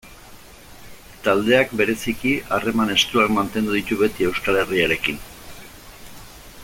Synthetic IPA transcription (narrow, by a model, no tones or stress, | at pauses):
t̪ald̪e̞akbe̞ɾe̞sikiʔare̞mane̞st̪uakmant̪e̞nd̪uðit̪uβe̞t̪ie̞wskale̞riaɾe̞kin